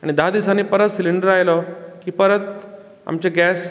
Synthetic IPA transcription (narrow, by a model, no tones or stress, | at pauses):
aɽ̃id̪aad̪isanːiːpəɾət̪siliɳɖəɾajlɔkiːpəɾət̪̚ | a̰mt͡ɕeɡæs